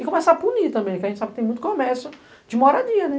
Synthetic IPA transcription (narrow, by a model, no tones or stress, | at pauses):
ɪkõmɛsɐapunit̪ɐ̃mbẽpkɐẽt͡ʃɪsabɪt̪ẽj̃mũt̪ʊ̥komɛɾsʊ | d͡ʒɪmɔɾad͡ʒiɐnɛ